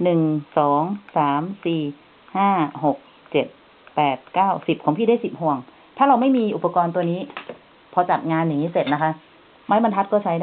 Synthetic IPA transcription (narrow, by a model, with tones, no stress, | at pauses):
nɯ˨˩ŋsɔː˩˦ŋsaː˩˦msiː˨˩ | haː˥˩ho˨˩k̚ | t͡ɕe˨˩t̪̚ | pɛː˨˩t̪̚kaː˥˩wsi˨˩p̚kʰɔː˩˦ŋpʰiː˥˩da˥˩si˨˩p̚hu˨˩əŋ | t̪ʰaː˥˩ɾa˧wma˥˩jmiː˧ʔu˨˩pa˧kɔː˧nt̪u˧əniː˦˥ | pʰɔː˧t͡ɕa˨˩t̪̚ŋaː˧nːa˨˩ŋni˦˥se˨˩t̪̚na˦˥kʰa˦˥ʔ | ma˦˥jma˧nt̪ʰa˦˥t̪̚kɔː˥˩t͡ɕʰa˦˥jdaː˥˩